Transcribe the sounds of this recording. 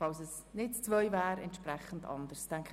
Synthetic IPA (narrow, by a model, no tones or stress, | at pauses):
fɑlsəs | nɪtt͡svœʏvæːɾɛ̰ntʃpɾɛχəndɑ̰ndəɾstɛŋk